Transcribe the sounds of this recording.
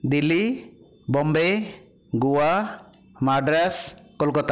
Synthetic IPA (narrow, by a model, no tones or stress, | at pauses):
d̪ili | bɔmbe | ɡuwa | maɖɾaskɔlkɔt̪a